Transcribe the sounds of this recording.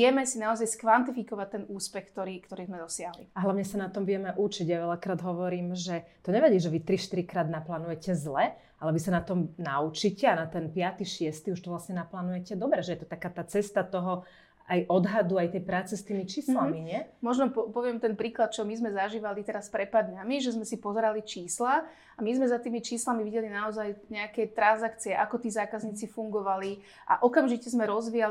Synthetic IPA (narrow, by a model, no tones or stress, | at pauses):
ɪɛmɛsinaɔzajskʋant̪ifikɔʋac̚t̪ɛnuːspɛxkt̪ɔɾiːkt̪ɔɾiːzmɛd̪ɔsɪaɦliaɦlaʊɲɛsanat̪ɔmʋɪɛmɛʔut͡ʃiɟjaʋɛʎakɾaːd̪ɦɔʋɔɾiːmʒɛt̪ɔɲɛʋɛɟiːʒɛʋit̪ɾiʃt̪iɾikɾaːd̪naplaːnujɛcɛzlɛ | alɛʋisanat̪ɔmnaut͡ʃicɛanat̪ɛnpɪat̪iʃɪɛst̪iuʃt̪ɔʋlasɲɛnaplaːnujɛcɛd̪ɔbɾɛʒɛjɛt̪ɔ̥t̪akaːt̪aːt͡sɛst̪at̪ɔɦɔ | ajʔɔd̪ɦad̪uajt̪ɛjpɾaːt͡sɛst̪iːmit͡ʃiːslammiɲɪɛmɔʒnɔpɔpɔʋɪɛmt̪ɛnpɾiːklat̪̚t͡ʃɔmizmɛzaʒiːʋalit̪ɛɾaspɾɛt̪̚paːɾd̪ɲamiʒɛzmɛsipɔzɛɾalit͡ʃiːsla | amizmɛzat̪iːmit͡ʃiːslamiʋiɟɛlinaɔzajɲɛakɛt̪ɾanzakt͡siɛʔakɔt̪iːzaːkazɲiːt͡sifuŋɡɔʋali | ʔa̰ʔɔkamʒicɛzmɛɾɔzʋija